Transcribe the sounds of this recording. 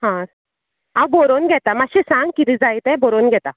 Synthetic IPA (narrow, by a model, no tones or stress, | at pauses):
ɦãs | ãwboɾonɡʱɛt̪amaɕisãŋɡ̚kit̪id͡zajt̪eboɾonɡʱɛt̪a